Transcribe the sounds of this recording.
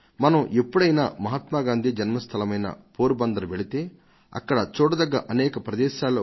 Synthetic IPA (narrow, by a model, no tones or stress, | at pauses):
mɐnɐmʔepːuɽɐjna̰ːmɐɦɐt̪maːɡaːnd̪ʱid͡ʒɐnmɐst̪ʰɐlɐmɐjnɐ̰poːɾubɐnd̪ɐɾuʋeɽit̪e̞ː | ɐ̰kːɐɽɐt͡ʃoːɽɐd̪ɐɡːɐʔɐnɛːkɐpɾɐd̪ɛːʃaːloː